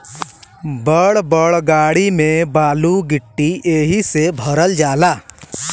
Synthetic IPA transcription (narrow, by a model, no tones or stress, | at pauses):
bəɭbəɭɡaːɽimẽbaːluɡɪʈːieːɦisebʱəɾəld͡ʒaːlaː